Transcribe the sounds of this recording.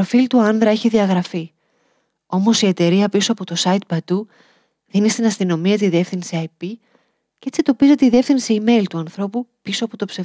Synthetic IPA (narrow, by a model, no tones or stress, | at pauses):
ɾofilt̪uɐnðɾɐe̞çiðiɐɣɾɐfi | o̞mo̞sie̞t̪e̞ɾiɐpiso̞ɐpo̞t̪o̞sɐit̪̚pɐd̪u | ðinist̪inɐst̪ino̞miɐt̪̬iðie̞fθinsiɐjpi | cee̞t͡sid̪o̞pize̞t̪e̞iðie̞fθinsiime̞jlt̪uɐnθɾo̞pupiso̞ɐpo̞t̪o̞pse